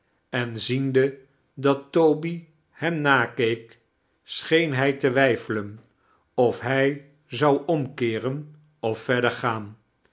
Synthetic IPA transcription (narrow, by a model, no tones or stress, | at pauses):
ɛnzində | dɑtːowbi | hɛmnaːkejk | sχejnɦɛjtəʋɛjfələn | ɔfɦɛj | zɑwɔmkɪːrən | ɔfːɛɹdəɹχaːn